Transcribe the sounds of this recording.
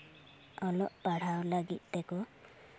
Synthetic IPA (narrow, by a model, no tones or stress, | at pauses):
ɔlɔʔpaɽ̤awlaɡit̪̚ˀt̪eku